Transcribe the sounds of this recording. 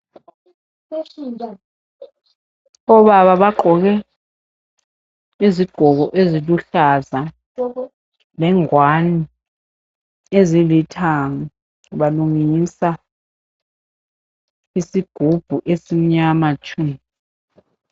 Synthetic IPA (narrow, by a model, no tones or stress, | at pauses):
ɔɓaɓaɓaǃʱɔk̬ɛ | iziɡ̥ʱɔk̬ɔʔeziluɬaza | lɛŋwani | ezilitʰaŋɔ | ɓaluŋisa | isiɡ̥ʱub̥ʱuʔesim̩ɲamat͡ʃʰum